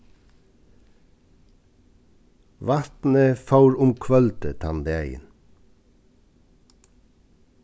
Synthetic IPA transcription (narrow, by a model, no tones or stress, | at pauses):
ʋɑt̪nəfɑʉɾʊmkʰʋœlt̪ət̪ʰɑnd̪əæɪə̰n